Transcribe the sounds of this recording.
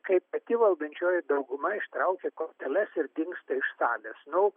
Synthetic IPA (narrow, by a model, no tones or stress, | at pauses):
kɐɪppɐt̪ʲɪʋɐlˠbʲɐnʲt͡ʃʲoːjɪd̪ɐʊɡʊmɐɪʃt̪ɾɐʊkʲɛkoːrʲt̪ʲɛlʲɛsɪɾd̪ʲɪŋkst̪ɐɪʃsɑːlʲeːsnʊ